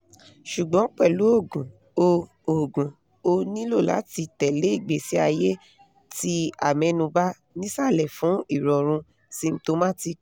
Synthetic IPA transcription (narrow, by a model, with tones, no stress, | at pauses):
ʃu˨ɡ͡bɔ̃˨˦k͡pɛ˦˨lu˨˦o˦˨ɡũ˨ | o˧ | o˨ɡũ˨ | o˧nĩ˦lo˦˨la̰˨˦ti˧tɛ˨le˨˦i˦˨ɡ͡be˨si˨˦a˧je˦ | ti˦a̰˨mɛ̃˧nũ˧ba˦ | nĩ˦sa˦˨lɛ˨fũ˨˦i˦˨ɾɔ˨ɾ̃ũ˧ | sĩ˧m̩˦to˧mã˦ti˦˧k